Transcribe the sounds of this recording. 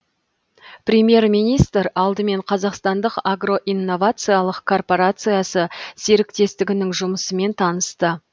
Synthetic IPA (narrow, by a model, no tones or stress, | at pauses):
prʲemje̞rmijnijst̪ɾɑlˠd̪əme̞ɴqʰɑzɑqst̪ɑnd̪əqaɡro̞ʔinːo̞vat̪sɨjalˠəqkʰo̞rpo̞ɾat̪sɨjasəseɾɪkt̪e̞st̪ɪɡʲɪnɪŋʒʊməsəme̞nt̪ʰɑnəst̪ə